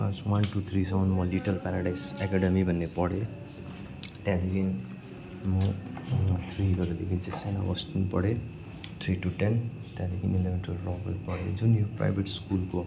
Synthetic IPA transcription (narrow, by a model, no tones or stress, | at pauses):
ãswanʈut̪ʰrisʌwnmʌliʈʌlpaɾaɽajsekaɽʌmibʱʌnːepʌɽe | t̪jãd̪ekʰin | mʌ | t̪ʰriɡʌɾud̪ekʰind͡zesana̰wʌstinpʌɽe | t̪ʰriʈuʈen | t̪jãd̪ekʰinilebenʈrʌllɔbʌlpʌɽed͡zunjopra̰jbʱeʈskulko